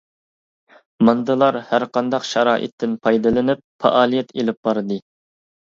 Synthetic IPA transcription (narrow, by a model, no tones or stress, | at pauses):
mɑnd̪ɨlˠɑɾhæɾqɑnd̪ɑqʃɛɾɑːʔɪ̰t̪ʰːɪnpʰɑjd̪ɨlˠɨnɪp̚fʰɑ̰ʔɑːlˠijɛt̪ʰelɪp̚bɑɾɨd̪ɨ